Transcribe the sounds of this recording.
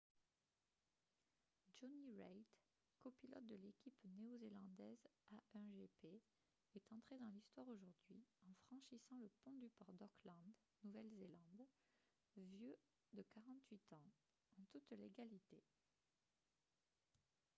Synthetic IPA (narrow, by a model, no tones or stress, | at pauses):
d͡ʒɔniʁajt̪ | kɔpilɔ̰t̪̚d̪əlekʲipneozelɑ̃d̪ɛzaʔɛ̃ʒepe | ɛt̪ɑ̃t̪χed̪ɑ̃list̪waʁoʒuʁd̪ɥiɑ̃fχɑ̃ʃisɑ̃ləpɔ̃d̪ypɔʁd̪ɔklɑ̃d̪ | nuvɛlzelɑ̃d̪ | vjø | d̪əkaʁɑ̃t̪ɥit̪ɑ̃ | ɑ̃t̪ut̪leɡalit̪e